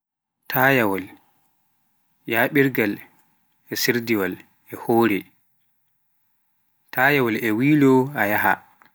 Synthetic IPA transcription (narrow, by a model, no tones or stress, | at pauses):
tʰaːjawɔl | jaːɓiɾɡal | ɛsiɾdiwal | ɛhoːɾi | tajawɔlɛwiːlɔajaɦa̰